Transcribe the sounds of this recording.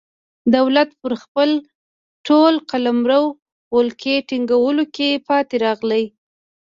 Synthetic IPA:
d̪awlat̪̚pəɾxpəl | ʈʰolqalamɾəw | wolkʰeʈiŋɡawəlokepɑt̪eɾɑɣləj

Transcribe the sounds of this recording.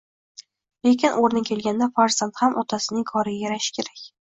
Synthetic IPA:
le̞kʲʰɪnʔoɾnɪkʰʲe̞lɡʲand̪afaɾzant̪hamʔɒt̪ʰasɪnɪŋkʰɒɾɪɡʲajaɾaʃɪ̥kʲʰe̞ɾakʲ

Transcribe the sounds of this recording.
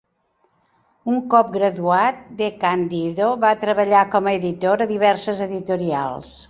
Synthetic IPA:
uŋkɔp̚ɡɾəðuat̪̚d̪ekand̪iðoβat̪ɾəβəʎakɔməeðit̪oɾəðiβɛɾsəzəðit̪uɾia̰lˠs

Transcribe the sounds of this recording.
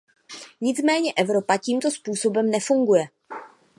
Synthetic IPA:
ɲɪt͡smɛːɲɛʔɛvɾo̞paciːmt̪o̞spuːso̞bɛmnɛfuŋɡujɛ

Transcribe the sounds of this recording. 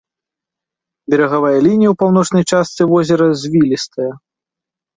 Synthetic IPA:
bʲɛɾɐɣavajɐlʲinʲijɐwpawnɔt͡ʂnɐjt͡ʂast̪sɨvɔzʲɛɾɐzʲvʲilʲist̪ɐjɐ

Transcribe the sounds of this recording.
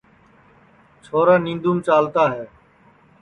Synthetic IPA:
t͡ʃʰoːɾaːnĩːnd̪uːmt͡ʃaːlt̪aːɦɛː

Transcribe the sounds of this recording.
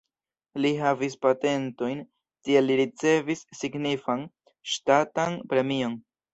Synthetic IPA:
liɦavispate̞nto̞jn | tie̞lːiɾit͡se̞visːiɡnifan | ʃtatanpɾe̞mio̞n

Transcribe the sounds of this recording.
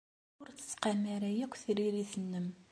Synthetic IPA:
ʊɾθə̥t͡sːqɑmaɾæjækʷːθɾiɾiθənːəm

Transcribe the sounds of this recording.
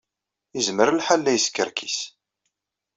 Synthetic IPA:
izməɾəlħalːæjəskːəɾkʰis

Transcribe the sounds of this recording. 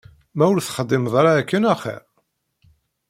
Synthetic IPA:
mæwlθχəd̪ːɪmðˤɑɾaːkːənæχḭ

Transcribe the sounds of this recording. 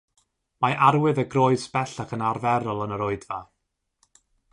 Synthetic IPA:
maʔaɾwɨðəɡroɨspɛɬakʰənarvɛɾɔlˠənəɾoɨdva

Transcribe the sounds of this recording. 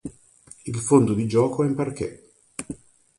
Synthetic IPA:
ilfond̪od̪id͡ʒɔːkoimparkḛ

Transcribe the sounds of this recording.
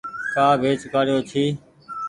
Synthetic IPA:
kaːbʱeːt͡ʃʊkaːɾɪjoːt͡ʃʰiː

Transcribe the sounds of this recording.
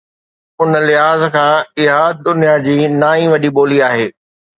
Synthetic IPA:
ʊnlɪɦaːzkʰãːɪɦaːd̪ʊnijad͡ʑiːnaːĩʋɐɗiɓoːliaːɦeː

